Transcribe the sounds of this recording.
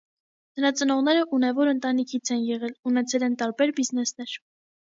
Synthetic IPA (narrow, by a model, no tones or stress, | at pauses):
nəɾɑt͡sənɔʁn̪ɛɾəʔunɛvɔɾənt̪ɑnikʰit͡sʰɛnjɛʁɛlunɛt͡sʰɛlɛnt̪ɑɾbɛɾbiznɛsnɛɾ